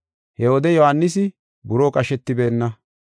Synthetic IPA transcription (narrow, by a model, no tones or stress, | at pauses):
hɛwɔd̪ɛjɔhanːɪsɪ | bʊɾoːkʼɐʃɛt̪ːɪbe̞ːnːɐ